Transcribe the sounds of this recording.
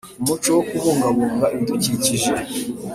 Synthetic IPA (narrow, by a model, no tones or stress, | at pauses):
umut͡ʃowokuβuːŋɡaβuːŋɡaʔiduciciʒe